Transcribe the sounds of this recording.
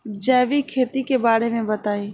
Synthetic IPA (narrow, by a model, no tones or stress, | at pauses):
d͡ʒɛːʋikʰeːt̪ikebaːɽemẽbɐt̪aːiː